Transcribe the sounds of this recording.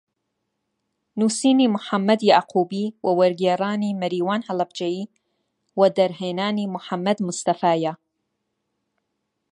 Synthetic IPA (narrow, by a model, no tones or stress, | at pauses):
nusiːniːmʊħamːɐd̪jaʕqʰuːbiːwɐwɐɾɡeːɾaːniːmɐɾiːwaːnhɐlɐbd͡ʒɐjiː | wɐd̪ɐɾɦeːnaːniːmʊħamːɐd̪mʊst̪ɐfaːja